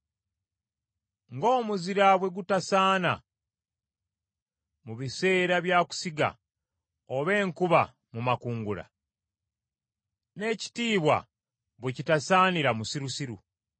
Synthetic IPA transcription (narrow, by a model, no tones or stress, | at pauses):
ŋɡo̞ːmuziɾaβwe̞ɡutasaːna̰ | muβise̞ːɾaβjaːku̥siɡa̰ | oβe̞ːŋkuβa | mumakuːŋɡula̰ | ne̞ːci̥tiːβwa̰ | βwecitasaːniɾamusiɾusiɾṵ